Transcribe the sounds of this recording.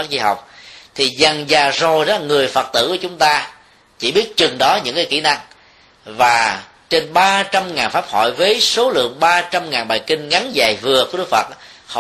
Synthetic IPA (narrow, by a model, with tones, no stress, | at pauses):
a˦˥k̚zi˧ɦa̰˨˩wk͡p̚t̪ʰi˨˩za˨˩ŋzaː˨˩zo˨˩jzɔ˦˥˦la˨˩ŋɨ˨˩əjfə˨˩t̚t̪ɨ̰˧˨ku˧˩ət͡ɕʊ˨˦ŋ͡mt̪aː˧ | t͡ɕḭ˧˩ɓi˦˥ət̚t͡ɕɨ˨˩ŋɗɔ˨˦ɲɨ̰˧˥ŋkaː˨˦jki˧˩˨na˧ŋ | vaː˨˩ | t͡ɕe˧nɓaː˧t͡ɕa˧mŋaː˨˩nfaː˦˥p̚hɔ̰˧˨jvəː˨˦jso˨˦lɨ̰˧˨əŋɓaː˧t͡ɕa˧mŋaː˨˩nɓaː˨˩jkï˧ŋ̟ŋa˨˦nzaː˨˩jvɨ˨˩əku˧˩ɗkfə̰˨˩t̚ː | h